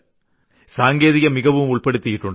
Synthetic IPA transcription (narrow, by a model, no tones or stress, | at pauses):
saːŋɡeːðɪɣɐmɪɣɐʋɯmʊɭpɐɽɯt̪ːɪjɪʈːʊɳ